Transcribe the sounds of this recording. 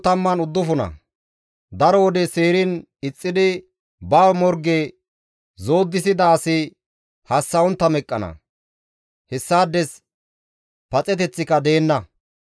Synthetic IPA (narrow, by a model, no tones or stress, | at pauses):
t̪ɐmːɐnʊd̪ːʊfʊnɐ̰ | d̪ɐɾɔwɔd̪ɛse̞ːɾɪn | ɪt͡sʼːɪd̪ɪ | bɐːwmɔɾɡeː | zo̞ːd̪ːɪsɪd̪ɐːsɪ | hɐsːɐʊnt̪ːɐmɛkʼːɐnɐ̰ | hɛsːaːd̪ːɛs | pɐt͡sʼɛt̪ɛt͡sːɪkɐd̪e̞ːnːɐ